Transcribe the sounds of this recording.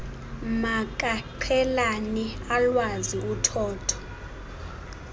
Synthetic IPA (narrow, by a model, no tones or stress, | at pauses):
mak̬ʼaǃʰɛlanialwaziutʰɔːtʰɔ̥